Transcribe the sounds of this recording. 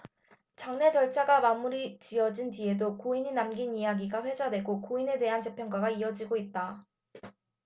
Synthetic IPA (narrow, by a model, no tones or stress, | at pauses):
t͡ɕaŋne̞t͡ɕʌɭt͡ɕʰaɡamamuɾit͡ɕiʌd͡ʑintie̞dokoiɲinamɡinijaɡiɡaɸwe̞d͡ʑade̞ɡokoine̞de̞ɦant͡ɕe̞pʰjʌnɡwaɡaiʌd͡ʑiɡoit̚t͈a